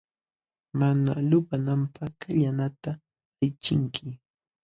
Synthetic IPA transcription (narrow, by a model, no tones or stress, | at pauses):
manalʊpanampaχkaʎanat̪a | ajt͡ʃɪŋkʰɪ